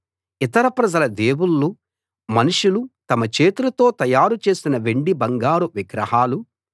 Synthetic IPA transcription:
it̪ɐɾɐpɾɐd͡ʒɐlɐd̪e̞ːwulːu | mɐnuʂulut̪ɐmɐt͡ʃeːt̪uɾɐt̪o̞ːt̪ɐjaːɾut͡ʃe̞ːsinɐʋeɳɖibɐŋɡaːɾuʋiɡɾɐhaːlu

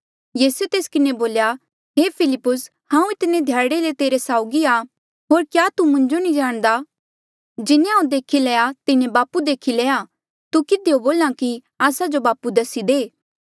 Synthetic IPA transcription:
jiːsuet̪eːskɪneboːlja | ɦepʰɪlɪpːʊs | hãːũɪt̪ɪned̪ʱjaːɽelet̪eːɾesaːʊɡia | ɦoːɾkjaːt̪umʊ̃ɲd͡ʒonĩd͡ʒaːɽ̃d̪a | d͡ʒɪnẽɦãũd̪eːkʰileːat̪ɪnẽbaːpud̪eːkʰileːa | t̪ukɪd̪eoboːlãki | aːsad͡ʒobaːpud̪ɐsid̪eː

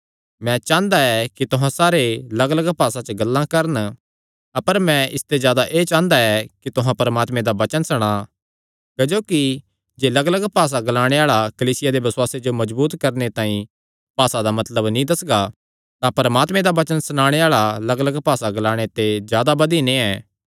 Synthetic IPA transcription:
mɛ̃t͡ʃãːnd̪aɛkit̪ʊɦãsaːɾelɐɡələɡpaːsat͡ʃəɡɐlːãkɐɾən | ɐpəɾmɛ̃ʔɪst̪ezjaːd̪aʔeːt͡ʃãːnd̪aɛkit̪ʊɦãpɐɾəmaːt̪mẽd̪abɐt͡ʃənsɐɽ̃a | kd͡ʒoːki | d͡ʒeːlɐɡələɡpaːs̬aɡɐlaːɽ̃eaːɭakɐliːsɪjad̪eʋɐswaːsed͡ʒomɐd͡ʒbuːt̪kɐɾnet̪ãːĩ | paːsad̪amɐt̪ləbnĩd̪ɐsɡa | t̪apɐɾəmaːt̪mẽd̪abɐt͡ʃənsɐɽ̃aːɽ̃eaːɭalɐɡələɡpaːsaɡɐlaːɽ̃et̪ezjaːd̪abɐd̪inĩɛː

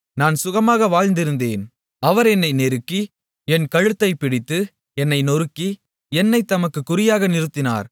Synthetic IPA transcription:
naːnsʊɣɐmaːɣɐʋaːɻnd̪ɪɾɯnd̪eːn | ɐʋɐɾɛnːɐɪnɛɾɯkːi | ɛnkɐɻɯt̪ːɐɪpɪɽɪt̪ːɯ | ɛnːɐɪnɔɾɯkːi | ɛnːɐɪt̪ːɐmɐkːɯkːʊɾɪjaːɣɐnɪɾɯt̪ːɪna̰ːɾ

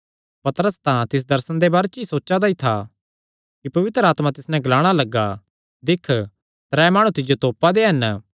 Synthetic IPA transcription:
pɐt̪ɾəst̪ãt̪ɪs̬d̪ɐɾsə̃ɽnd̪ebaːɾet͡ʃisoːt͡ʃad̪ait̪ʰa | kipɐʋɪt̪ɾəaːt̪mãt̪ɪsnɛ̃ɡɐlaːɽ̃alɐɡːa | d̪ɪkʰ | t̪ɾɛːmaːɽ̃ũt̪ɪd͡ʒot̪oːpad̪eɦɐn

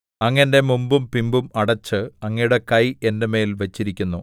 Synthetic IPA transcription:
ɐŋːɐnde̞mumbumpimbumɐɽɐt͡ɕːɨɐŋːɐjuɽe̞kɐje̞ndeme̞ːlʋɐt͡ɕːiɾikʲːunːu

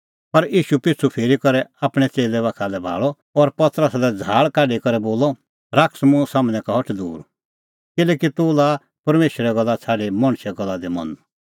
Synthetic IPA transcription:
pɐɾiːʃupɪt͡sʰupʰeːɾikɐɾɛaːpɽ̃ɛt͡seːlɛβaːkʰalɛbʱa̰ːɭɔ | ɔːɾpɐt̪əɾəsalɛd͡zʱaːɭkaːɖikɐɾɛboːlɔ | ɾaːksmũsaːmnɛ̃kaɦɔʈʰd̪ṵːɾ | kɪlɛːkit̪ʊla | pɐɾmeːʃɾɛɡɐlːat͡sʰaːɖimɐɽ̃ʃɛɡɐlːad̪imɐ̰n

